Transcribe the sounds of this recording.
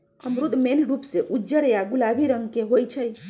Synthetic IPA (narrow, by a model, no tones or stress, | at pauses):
həmɾud̪menɾupseʔud͡ʒəɽjaɡulabʱiɾəŋɡkeɦojt͡ʃʰəj